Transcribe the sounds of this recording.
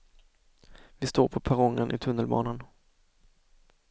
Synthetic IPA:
vɪst̪oːɾpʰɔpʰaɾɔŋːənʔɪ̰t̪ʰɵnːəlbɑ̰ːnan

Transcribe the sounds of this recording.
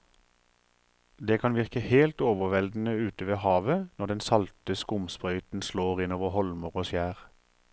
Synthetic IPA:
d̪eːkʰɑnʋɪʁkəheːlt̪oːʋəʋɛld̪n̩əʉːt̪əʋeːhɑːʋənɔʁd̪ɛnsɑlt̪əskʊmspʁœʏt̪n̩sloːʁɪnoːʋəhɔlməʁoːsjæːʁ

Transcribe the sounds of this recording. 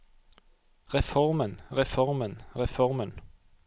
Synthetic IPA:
ʁɛfɔʁmənʁɛfɔʁmənʁɛfɔʁmən

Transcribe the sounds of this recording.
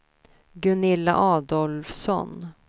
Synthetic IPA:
ɡɵnɪlːa̰ʔɑːd̪ɔlfsɔ̰n

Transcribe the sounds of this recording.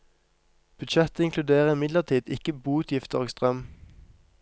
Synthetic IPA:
b̥ʉd̪ʃɛt̪əɪŋkʰlʉd̪eːʁəɪmɪd̪ləʁt̪ʰiːd̪ɪkəbuːt̪ʰjɪft̪əʁɡst̪ʁœm

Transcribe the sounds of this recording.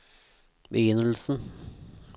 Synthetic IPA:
bəjʏnːəl̩sn̩

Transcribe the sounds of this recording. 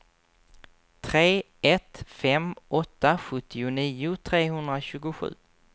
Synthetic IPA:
t̪ʰɾeː | ɛt̪fɛmʔɔt̪ːaɧɵt̪ʰːɪʊniːʊt̪ʰɾeːɦɵnd̪ɾaɕʉ̟ːɡʊɧʉ̟̰ː

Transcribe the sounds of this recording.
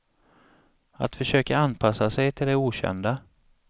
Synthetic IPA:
a̰t̪fœʂøːkaanpʰasːasɛjt̪ʰɪld̪ɛuːɕɛ̰nd̪a

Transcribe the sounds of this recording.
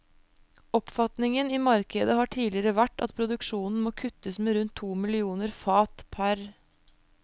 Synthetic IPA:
ɔpfɑt̪nɪŋəniːmɑɾkəd̪əhɑːʈʰiːlɪəɾəʋæʈːɑ̰t̪pʰɾʊd̪ʉkʂuːnn̩moːkʰʉt̪ːəsmeːɾʉnt̪ʰːuːmɪlɪuːnəɾfɑːt̪pʰæɾ

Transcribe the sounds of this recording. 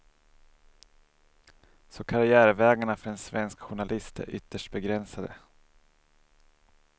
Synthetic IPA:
sɔkʰaɾɪæːɾvɛːɡaɳafœɖɛnsvɛnskɧʊɳalʔɪst̪æ̰ɾʔʏt̪ːəʂʈbɛɡɾɛnsad̪ə

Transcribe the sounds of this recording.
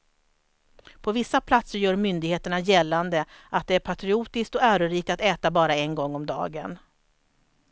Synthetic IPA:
pʰɔvɪsːapʰlat̪səɾjœːɾmʏnd̪ɪɡheːt̪əɳajɛlːand̪ə | at̪̚d̪ɛæɾpʰat̪ɾɪuːt̪ɪsk̚t̪ɔæːɾɵɾiːk̚t̪at̪ɛːt̪abɑːɾaɛnɡɔŋːɔmd̪ɑ̰ːɡə̰n

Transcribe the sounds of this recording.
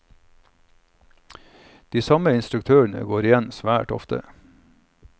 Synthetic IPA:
d̪̥iːsɑməɪnst̪ɾʉkt̪ʰøːəɳə̰ɡoːɾɪjɛnsʋæːʈɔ̰ft̪ə̰

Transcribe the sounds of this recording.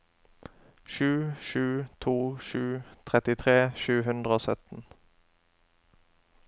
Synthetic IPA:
ʃʉːʃʉːt̪ʰuːʃʉːt̪ʰʁɛt̪ɪt̪ʰʁeːʃʉːɦʉnd̪ʁəoːsœt̪n̩

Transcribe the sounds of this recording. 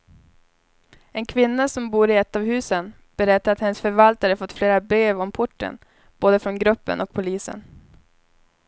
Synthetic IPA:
ɛnkʰvɪnːasɔmbuːɾɪɛt̪ːavhʉ̟ːsən | b̥ɛɾɛt̪ːaɾat̪hɛnəsfœɾvalt̪aɾəfɔt̪ːfleːɾabɾeːvɔmpʰʊʈːə̰n | b̥oːd̪əfɾɔnɡɾɵpːə̰nʔɔk̚pʰʊliːsə̰n

